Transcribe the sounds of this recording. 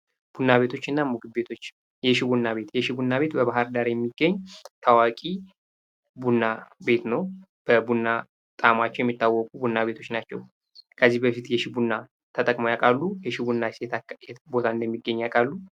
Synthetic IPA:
b̥unːaβe̞t̪ʰo̞t͡ʃːɨnːamuɡɨbe̞t̪ʰo̞t͡ʃː | jɛʃɪbunːaβe̞t̪jɛʃɪbunːaβe̞t̪bəβaɦaɾd̪aɾjɛmːiɡːəɲːt̪ʰawakʼi | bunːabe̞t̪nəw | b̥əbunːa | t̪ʼamat͡ʃːɛwjɛmːit̪ːawːɔkʼubunːaβe̞t̪ʰo̞t͡ʃːnat͡ʃːɛw | kʰəzːihbəfit̪jɛʃɪbunːa | t̪ʰət̪ʼəkʼməjakʼalːujɛʃɪbunːasjɛbo̞t̪ʰaɨnd̪əmːiɡːəɲːakʼalːu

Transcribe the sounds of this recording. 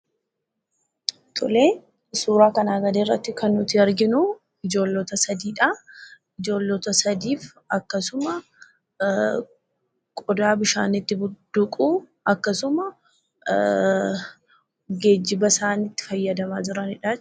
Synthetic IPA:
t̪ʼʊ̰leː | suːɾaːkɐnaːɡɐd̪eːrːɐ̰t̪ːɪkɐnːʊt̪ɪɐɾɡɪnʊ | ɪd͡ʒo̞ːlːɔːt̪ɐsɐd̪iːᶑa | ɪd͡ʒo̞ːlːɔt̪ɐsɐd̪iːf | ɐkːɐsʊmɐ | kʼɔd̪aːbɪʃa̰ːnɪt̪ːɪbʊd̪̥ʊkʼuː | ɐkːɐsʊmɐ | ɡe̞ːd͡ʒːɪbɐsaːnɪt̪ːɪ̥fɐjːɐd̪ɐmaːd͡ʒɪɾɐnɪᶑaː

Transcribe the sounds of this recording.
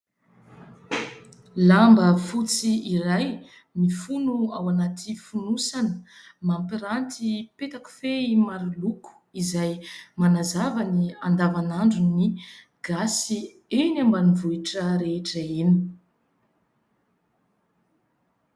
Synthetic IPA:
lambəfut͡siiɾaj | mifunuawanat̪ʰifunusanə | mampiɾant̪ipet̪aku̥feimaɾiluku̥izajmanazavaniand̪avanaɳɖ͡ʐuni | ɡ̥asi | enambanivuiʈ͡ʂəɾeʈ͡ʂəini

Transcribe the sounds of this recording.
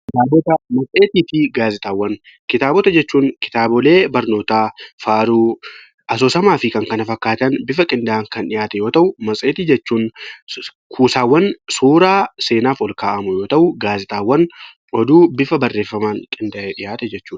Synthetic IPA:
kɪt̪aːbɔt̪ɐmɐsʼe̞ːt̪iːt̪ɪɡaːzɪt̪ʼaːwːɐn | kɪt̪aːbɔt̪ɐd͡ʒɛt͡ʃːuːŋkɪ̥t̪aːbɔle̞ːbɐɾno̞ːt̪aːfaːɾuː | ʔɐs̬oːsɐmaːfɪkɐŋkɐnɐfɐkːaːt̪ɐnbɪfɐkʼɪnd̪aʔɐŋkɐnᶑɪjaːt̪ɛjo̞ːt̪ɐʔʊmɐsʼeːt̪id͡ʒɛt͡ʃːuːn | kʰuːsaːwːɐnsuːɾaːse̞ːnaːfɔlkaːʔɐmʊjo̞ːt̪ɐʔʊɡaːzɪt̪ʼaːwːɐn | ʔɔd̪uːbɪfɐbɐrːe̞ːfːɐmaːŋkʼɪnd̪aʔeᶑɪjaːt̪ɛd͡ʒɛt͡ʃːuːᶑɐ̥

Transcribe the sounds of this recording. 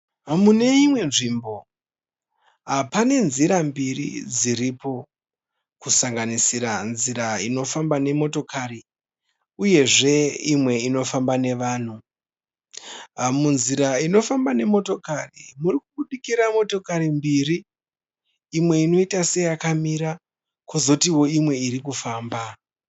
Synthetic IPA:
mune̞imwe̞nʐimbo̞ | ɦapane̞nziɾambirḭd͡ziɾipo̞ | kusaŋɡanisiɾanziɾaino̞fambane̞mo̞to̞kʰaɾi | uje̞ʐe̞imwe̞ino̞fambane̞ʋaːn̤u | munziɾaino̞fambane̞mo̞to̞karimurikuɓuɗikiɾamo̞to̞kaɾimbiri | mwe̞ino̞itase̞jakamiɾa | kozotiwo̞imwe̞iɾikufaːmba

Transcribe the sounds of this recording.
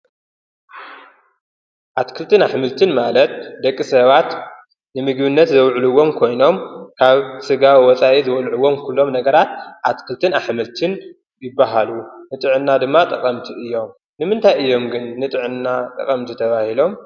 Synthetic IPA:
ʔat̪kʰɨlt̪ʰɨnaħmɨlt̪ʰɨnmalɐt̪̚d̪ɐkʼːisɐβat̪ | nɨmɨɡbɨnːɐt̪zɐwʕlɨwːo̞mkʰo̞jno̞mkʰaβsɨɡawwɔt͡sʼaʔizɨwɐlʕuwːo̞mkʰulːo̞mnɐɡɐɾat̪ʔat̪kʰɨlt̪ʰɨnaħmɨlt̪ʰɨn | jɪbːaɦalunɨt̪ʼɨʕɨnːad̪ɨmːat̪ʼɐkʼɐmt̪ʰiɨjːo̞m | nɨmɨnt̪ʰajɨjːo̞mɡɨnːɨt̪ʼɨʕɨnːat̪ʼɐ̰kʼɐmt̪ʰit̪ʰɐβahilo̞m

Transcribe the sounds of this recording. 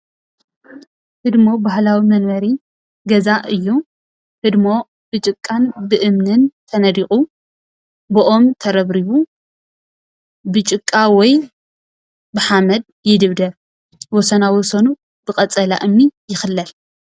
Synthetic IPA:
hɨd̪mo̞bahlawimɐnmɐɾi | ɡɐzaʔɨjːu | hɨd̪mo̞ | bɨt͡ʃʼɨkʼːanbɨʔɨmnɨnt̪ʰɐnɐd̪ixʼu | bɨʔo̞mt̪ʰɐɾɐβɾiβu | bɨt͡ʃʼɨkʼːawɔj | bɨħamɐd̪ | jɪd̪ɨβd̪ɐ | wɔsɐnawɔsɐnu | b̥ɨkʼɐt͡sʼɐla̰ʔɨmːijɪxɨlːɐl

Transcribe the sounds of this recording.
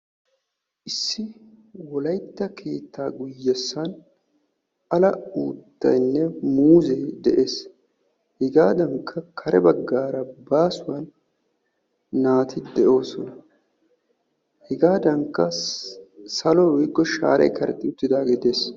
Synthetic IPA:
ʔɪsːɪ | wɔlɐjt̪ːɐkʰe̞ːt̪ːaːɡʊjːɛsːɐn | ɐlɐuːt̪ːɐ̰jnːɛmuːzejd̪ɛʔe̞ːs | hɪɡaːd̪ɐŋkʰːɐkʰɐɾɛbɐɡːaːɾɐbaːsʊwɐn | aːt̪ʰɪd̪ɛʔo̞ːsɔnɐ | hɪɡaːd̪ɐŋkːɐ | sɐlɔwɔjɡːɔʃa̰ːɾɐ̰jkɐɾɛ̰t̪ʼːɪʊt̪ːɪd̪aːɡeːd̪eːs

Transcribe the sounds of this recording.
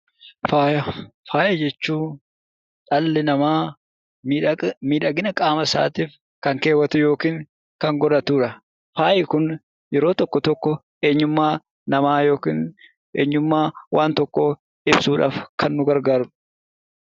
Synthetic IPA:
faːjɐfaːjɐd͡ʒɛt͡ʃːuː | ᶑɐlːɛnɐmaː | mimiːᶑɐɡɪnɐkʼaːmɐsa̰ːt̪iːf | kɐŋkeːwɐt̪ʊjo̞ːkiːŋ | kɐŋɡɔɾɐt̪uːᶑɐ | faːjɪkʊn | jɛɾo̞ːt̪ɔkːɔt̪ɔkːɔ | e̞ːɲːʊmːaː | nɐmaːjo̞ːkiːn | ʔeːɲːʊmːaːwaːnt̪ɔkːɔ | ɪbsuːᶑa̰ːfkʰɐnːʊɡɐɾɡaːɾʊ̥

